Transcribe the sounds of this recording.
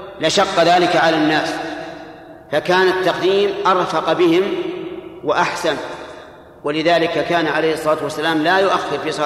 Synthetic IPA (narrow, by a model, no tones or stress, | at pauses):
lɪʃɑqːɑðaːlɪkaʕalanːaːs | fakaːnat̪ːɑq̚d̪iːmʔɑɾˤfɑqbɪhɪm | waʔaħsan | walɪðaːlɪkakaːnaʕalejhɨsˤːɑˤɑːt̪wasːalaːmlaːjʊʔaxːɪɾfiːsˤɑ